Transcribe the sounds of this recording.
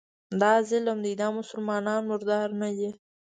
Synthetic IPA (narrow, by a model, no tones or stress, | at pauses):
d̪ɑzɪləmd̪əid̪ɑmʊsʊlmɑnɑnmʊɾd̪ɑɾnad̪i